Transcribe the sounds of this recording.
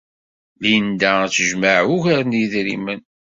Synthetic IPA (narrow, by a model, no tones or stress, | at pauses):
lind̪æt͡sːəʒməʕuʝəɾnjðɾḭmən